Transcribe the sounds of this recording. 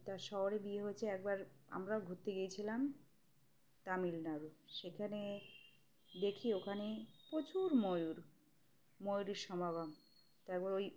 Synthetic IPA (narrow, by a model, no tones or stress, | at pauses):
t̪aɾʃɔɦoɾebieɦojet͡ɕʰeɛk̚baɾa̰mɾaoɡʱut̪ːeɡejt͡ɕʰilam | t̪amilnaɾuʃekʰane | d̪ekʰiokʰanepot͡ɕuɾmojuɾ | mojuɾeɾʃɔmaβam | t̪aɛkbaɾoj